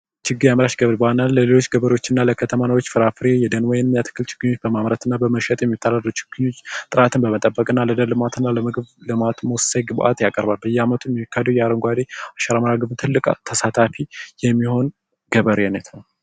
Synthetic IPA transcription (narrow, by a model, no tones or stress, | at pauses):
t͡ʃɪɡːɨjaməɾaʃɡəβɾbəanalːəle̞lot͡ʃːɡəβəɾo̞t͡ʃːɪnːaləkʰət̪ʰəmanəwot͡ʃːfɨɾafɨɾejɛd̪ənwɔjɛnmijat̪ʰɨ̥kːɨlt͡ʃʰɪ̥ɡ̥ɨɲːo̞t͡ʃːbəmamɾət̪ɨnːabəməʃɛt̪ʼjɛmːit̪ʰːalalːut͡ʃɪ̥ɡ̥ɨɲːo̞t͡ʃːt̪ʼɨɾat̪ʰɨnbəmət̪ʼəbːəkʼɨnːaləd̪əlɨmat̪ʰɨnːaləmɨɡɨβlɨmat̪moseɡɨbʔa̰t̪jakʼəɾbalbəjːɛamət̪ʰujɛmikʰːad̪wjɛaɾəŋɡʷad̪eaʃəɾaməɾaɡɨβt̪ʰɨlːɨkʼat̪ʰəsat̪ʰafijɛmːiho̞n | ɡ̥əβəɾɛnət̪ʰnəw